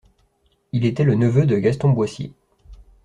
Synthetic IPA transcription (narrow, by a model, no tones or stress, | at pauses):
ilet̪ɛlənəvød̪əɡast̪ɔ̃bwasjḛ